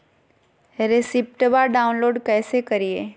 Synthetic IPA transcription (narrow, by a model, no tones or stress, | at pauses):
ɾesɪp̚ʈbaɖaːʊ̃nloːɖkɛːsekɐɾie